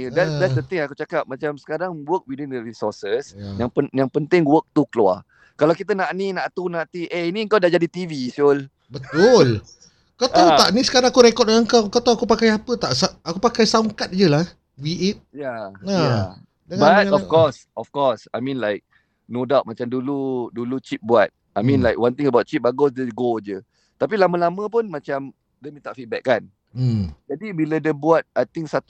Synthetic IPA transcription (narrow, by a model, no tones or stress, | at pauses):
dɛtsdɛtsdət̪ɪ̃ŋakut͡ʃakap̚mat͡ʃamsə̥kaɾaŋwək̚widwĩnd̪əɾisɔsəsjaŋpəjaŋpənt̪ɪŋwək̚t̪ukəlua̰ | kalawkit̪ənaʔninaʔt̪unãʔt̪iʔeiniəŋkawdaʔd͡ʒadit̪ivisol | bət̪ʊl | kat̪awt̪aʔnisə̥kaɾãŋakuɾekɔt̚aəŋkawkat̪awakupakajapət̪aʔsaʔakupakajsauŋkat̪̚d͡ʒəlah | wiet̪̚janaa | dəŋbatŋaɔfkɔs | ɔfkɔsajmĩnlajk̚ | nodawt̚mat͡ʃamduludulut͡ʃip̚buat̪̚ | ʔajmĩnlajkwant̪ĩŋəbat̪̚t͡ʃip̚baɡosdəɡod͡ʒə | t̪apilamə̃lamə̃p̬unmat͡ʃam | dəmit̪aʔfit̪̚bɛkːan̩ | d͡ʒadibilədəbuat̪̚ajt̪ĩŋsat̪